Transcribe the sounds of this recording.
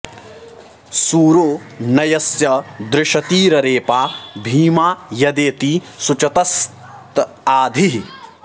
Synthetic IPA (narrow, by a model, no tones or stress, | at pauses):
suːɾoː | nɐjɐsjɐd̪ɾɪʃɐt̪iːɾɐɾeːpaːbʱiːmaːjɐd̪eːt̪isut͡ʃɐt̪ɐstt | t̪ | aːd̪ʱiɦ